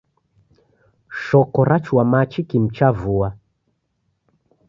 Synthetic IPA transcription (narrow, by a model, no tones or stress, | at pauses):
ʃɔkɔɾat͡ʃwamat͡ʃikim̩t͡ʃavua